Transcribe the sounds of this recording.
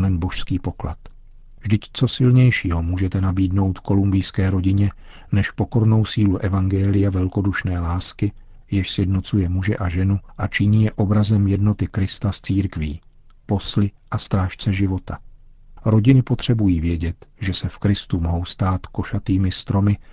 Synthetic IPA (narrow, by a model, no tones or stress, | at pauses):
mɛnbo̞ʃskiːpo̞kla̰t̪ | vʒdɪct͡so̞sɪlɲɛjʃiːɦomuːʒɛt̪ɛnabiːdno̞wt̪ko̞lumbɪjskɛːɾo̞ɟɪɲɛ | nɛʃpo̞ko̞ɾno̞wsiːluʔɛvaŋɡɛːlɪjavɛlko̞duʃnɛːlaːskɪ | jɪʃsjɛdno̞t͡sujɛmuʒɛ̰ʔaʒɛnuʔat͡ʃɪɲiːjɛʔo̞bɾazɛmjɛdno̞t̪ɪkɾɪst̪ast͡siːɾkviː | po̞slɪʔast̪ɾaːʃt͡sɛʒɪvo̞t̪ʰa | ɾo̞ɟɪnɪpo̞t̪r̝̥ɛbujiːvjɛɟɛt̪ʒɛsɛfkɾɪst̪umoɦo̞wst̪aːt̪ko̞ʃat̪iːmɪst̪ɾo̞mɪ